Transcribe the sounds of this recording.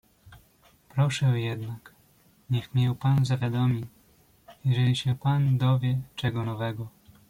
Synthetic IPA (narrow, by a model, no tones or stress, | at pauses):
pɾɔʂɛjɛd̪nak | ɲɛxmɲɛwpanzavʲjad̪ɔmʲi | jɛʐɛlʲiɕɛpand̪ɔvʲjɛt͡ʂɛɡɔnɔvɛɡɔ